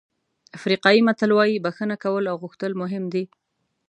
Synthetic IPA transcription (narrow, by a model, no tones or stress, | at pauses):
afɾiqɑjimat̪əlwɑjibaxənakawəlawɣʊxt̪əlmʊɦɪmd̪i